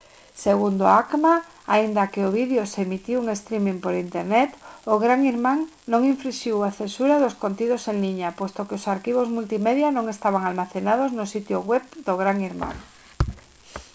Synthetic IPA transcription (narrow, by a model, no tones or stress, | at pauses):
seɣ̞und̪oakma | aind̪akeoβ̞iðjosemit̪iuŋest̪ɾimĩŋpoɾint̪eɾnet̪oɣɾaŋiɾmãŋ | nõŋiɱfɾiʃiwaθensuɾaðoskont̪ið̞oseŋliɲapwest̪okeosaɾkiβ̞ozmult̪imeðjanõŋest̪aβ̞aŋalmaθenað̞oznosit̪joɣwepd̪oɣɾaŋiɾma̰ŋ